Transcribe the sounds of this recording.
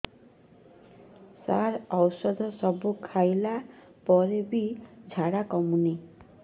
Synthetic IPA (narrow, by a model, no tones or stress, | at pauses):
sa̰ɾɔwsɔd̪ʱɔsɔbukʰajla | pɔɾebid͡ʒʱaɽakɔmuni